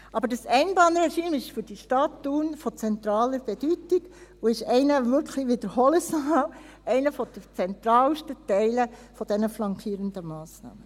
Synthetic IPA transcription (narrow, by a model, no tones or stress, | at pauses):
ʔɑbəɾdəsɛɪnbɑnəɾɛʃiːmɪʃfʏɾd̥iʃtɑtːuːnfɔt͡sɛnt̪ɾɑːləɾb̥ɛd̥ytiɡuɪʃɛɪnəʋʏɾkχliʋɪd̥əɾhɔləsɑw | ɛɪnəfɔd̥̪ət͡sɛnt̪ɾɑːlʃtətɛɪləfɔd̥̪ɛnəflɑŋkʰiːɾənd̪əmɑːsnɑ̰ːmə